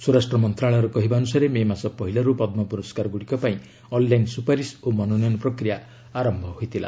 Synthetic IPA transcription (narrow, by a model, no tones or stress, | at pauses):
suɾasʈɾɔmɔnt̪ɾaɭɔɾɔkɔɦibanusaɾememasɔpɔɦilaɾupɔd̪mɔpuɾɔskaɾɡuɽikɔpaĩ | ɔnlajnsupaɾisomɔnɔnɔjɔnpɾɔkɾija | aɾɔmbʱɔɦojt̪ʰila̰